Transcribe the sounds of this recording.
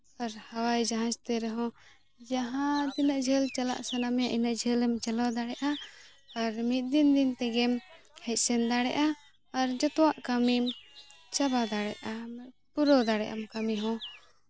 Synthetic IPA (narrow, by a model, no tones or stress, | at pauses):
aɾhawajd͡ʒaɦãt͡ʃt̪ɛɾɛɦɔ̃ | d͡ʒaɦãd̪inaʔd͡ʒʱɛlt͡ʃala̰ʔsɛnamɛjaʔinaʔd͡ʒʱɛlɛmt͡ʃalɔd̪aɽɛʔaː | ɾmit̪̚d̪ind̪int̪ɛɡɛm | hɛc̚ˀsɛnd̪aɽɛ̰ʔaː | ɾd͡ʒɔt̪ɔwaʔkamim | t͡ʃabad̪aɽɛ̰ʔamɛ | puɾɔd̪aɽɛʔa̰mkamiɦɔ̃